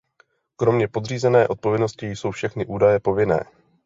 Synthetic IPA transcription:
kɾo̞mɲɛpo̞d̪r̝iːzɛnɛːʔo̞t̪̚povjɛdno̞scɪjso̞wfʃɛxnɪʔuːdajɛpo̞vɪnɛ̰ː

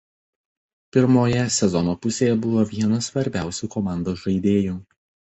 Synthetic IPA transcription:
pʲɪɾmoːjɛsʲɛzɔnoːpʊsʲeːjɛbʊʋoːʋʲiɛnɐsʋɐɾʲbʲæˑʊsʲuːkɔmɑˑnd̪oːʒɐɪd̪ʲeːjuː

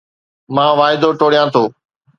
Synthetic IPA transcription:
mãːʋaːɪd̪oʈoːɽijãt̪ʰoː

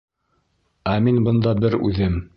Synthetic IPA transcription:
æminbɤ̆nd̪ɑbɘɾʉ̰ðɘm

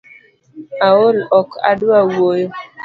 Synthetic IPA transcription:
aolɔka̰dawojo

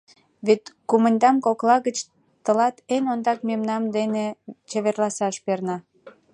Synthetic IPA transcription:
βet̪kumənʲd̪ɑmkoklɑɣət͡ɕ | t̪əlɑt̪enond̪ɑkmemnɑmd̪enet͡ɕeβerlɑsɑʃpernɑ

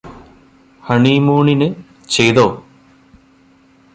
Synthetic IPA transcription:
hɐɳimuːɳinɨ | t͡ɕe̞jt̪oː

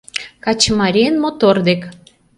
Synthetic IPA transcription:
kɑt͡ɕəmɑɾʲiənmot̪ord̪ek

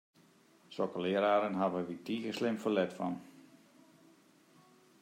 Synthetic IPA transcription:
sokəlɪəɾaːɾənɦavəʋitiːɣəslɪmfəlɛtfɔn

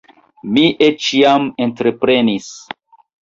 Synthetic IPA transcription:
miʔet͡ʃiamentɾe̞pɾe̞nis

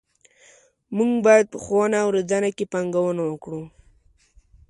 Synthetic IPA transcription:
muŋɡbɑjad̪̚pəxanaːwɾad͡zanakepaŋɡawənawəkɽu

